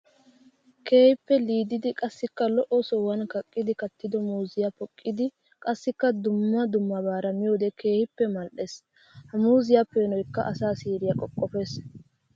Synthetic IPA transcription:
ke̞ːhɪpːɛliːd̪ɪd̪ɪkʼɐsːɪkːɐlɔʔɔsɔwɐnkɐkʼːɪd̪ɪkɐt̪ːɪd̪ɔmuːzɪjapɔkʼːɪd̪ɪ | kʼɐsːɪkːɐd̪ʊmːɐd̪ʊmːɐbaːɾɐmɪjoːd̪ɛke̞ːhɪpːɛmɐlʔes | hɐmuːzɪjapːeːnɔjkːɐ̰ʔɐsaːsiːɾɪjɐkʼɔkʼːɔfeːs

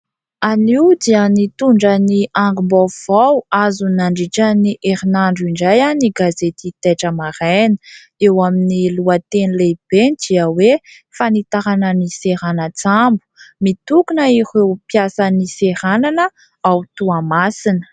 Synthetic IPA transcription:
aniwd̪iənit̪uɳɖ͡ʐəniaŋɡumbav̥awazunaɳɖ͡ʐiʈ͡ʂəniʔeɾinaɳɖ͡ʐiɳɖ͡ʐajaniɡazet̪it̪eʈ͡ʂəmaɾajnə̥ | ewaminiluat̪enileb̥end̪iəwe | fanit̪aɾanəniseɾanət͡sambu̥mit̪ukunəiɾewpjasəniseɾananə | awt̪uamasinə̥

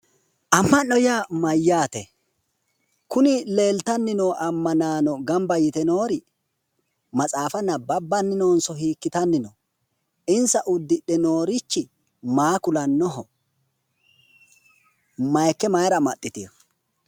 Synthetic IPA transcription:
ʔɐmːɐnːɔjamɐjːaːt̪ɛ | kʊnɪle̞ːlt̪ɐnːɪnoːʔɐmːɐnaːnɔɡɐmbɐjɪt̪ɛnoːɾɪ | mɐt͡sʼaːfɐnːɐbɐbːɐnːɪnoːnsɔhiːkːɪt̪ɐnːɪnɔ | ʔɪnsɐʔʊd̪ːɪɗɛno̞ːɾɪt͡ʃːɪ | maːkʊlɐnːɔɦɔ | mɐjkːɛmɐjɾɐmɐɗʼːɪt̪ɪjɔ

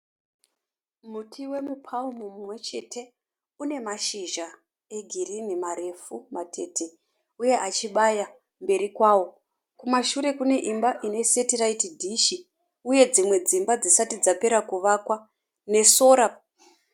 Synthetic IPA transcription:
mutʰiwe̞mupʰaumumumwe̞t͡ʃe̞tʰe̞ | une̞maʃiʒa | e̞ɡʱirinimaɾe̞fumatʰe̞tʰe | uje̞ʔat͡ʃiɓaja | mbe̞ɾikwawo̞ | kumaʃuɾe̞kune̞ʔimbaʔine̞se̞tiraitidʱiʃi | uje̞d͡zimwe̞d͡zimbad͡zisatid͡zape̞ɾakuʋakwa | ne̞so̞ːɾa

